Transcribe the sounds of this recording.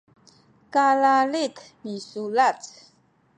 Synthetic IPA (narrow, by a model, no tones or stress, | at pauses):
kalalit̪misulat͡s